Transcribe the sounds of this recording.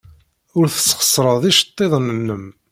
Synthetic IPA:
ʊɾθə̥sχə̥sˤːɾˤəððiʃt̪ˤːeðˤnənːəm

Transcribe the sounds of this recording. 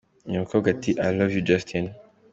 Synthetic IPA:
jɔ̃kʰɔɡat̪iʔajlɔvjud͡ʒastʰɛ̃n

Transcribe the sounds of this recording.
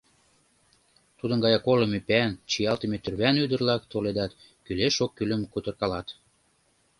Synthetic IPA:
t̪ud̪ənɡɑjɑkoləmepænt͡ɕijɑlt̪ə̆met̪ørβænyd̪ə̆rlɑkt̪oled̪ɑt̪ | kyleʃokːyləmkut̪ə̆rkɑlɑt̪

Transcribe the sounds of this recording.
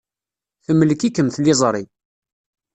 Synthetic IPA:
θəmːəlkikːəmθlɪzˤɾˤi

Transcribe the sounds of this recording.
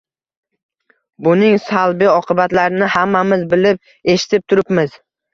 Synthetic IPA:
bʊnɪŋsalˠbɪɒqʰɨbat̪laɾɪnɪhamːamɪzbɪlɪp̚ | e̞ʃɪ̥t̪ʰɪp̚t̪ʰʊɾɪpmɪz

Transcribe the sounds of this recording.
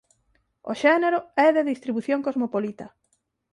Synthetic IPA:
o̰ʃɛneɾoɛðeðist̪ɾiβuθjoŋkozmopolit̪ɐ

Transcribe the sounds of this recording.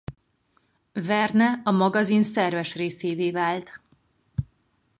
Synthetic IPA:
vɛrnɛɒmɒɡɒzinsɛrvɛʃreːseːveːvaːlt̪

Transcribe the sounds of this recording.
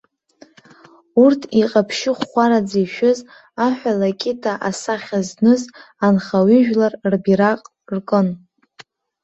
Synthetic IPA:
urtʰiqʼapʰʃɪχχʷaɾad͡ziʃᶣʊz | aħʷᶣalakʲʼɪtʰaʔasaχʲaznɨzanχawʏʒᶣlarrbiɾaqʼ | rkʼɨn

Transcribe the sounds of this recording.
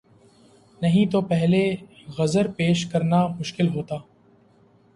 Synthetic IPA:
nɐɦĩt̪opɛɦle | ɣɐzəɾpeːʃkɐɾnamʊʃkɪlɦoːt̪aː

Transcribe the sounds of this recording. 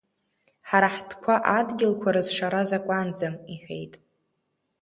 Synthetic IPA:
ħaɾaħtʰkʷʰaʔadɡʲɪlkʷʰaɾɨzʂaɾazakʷʼand͡zamiħʷᶣḛjtʼ

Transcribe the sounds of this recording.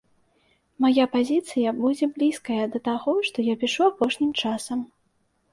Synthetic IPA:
majapazʲit̪sɨjɐbud͡zʲɛblʲiskɐjɐd̪ɐt̪aɣɔʂt̪ɔjapʲiʂuapɔʂnʲimt͡ʂasɐm

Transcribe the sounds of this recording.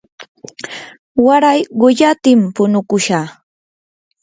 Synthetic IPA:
waɾajɢʊʎat̪ɪmpʊnʊkʊʃa

